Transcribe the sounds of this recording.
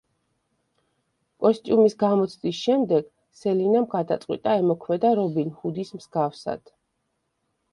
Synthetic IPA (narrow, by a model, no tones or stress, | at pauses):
kʼɔst̪ʼiumisɡamɔt̪sʰd̪ʼisʃɛmd̪ɛɡ̥ | sɛlinamɡad̪at̪sʼqʼwit̪ʼaɛmɔkʰmɛd̪aɾɔbinhud̪ismzɡafsa̰d̪̥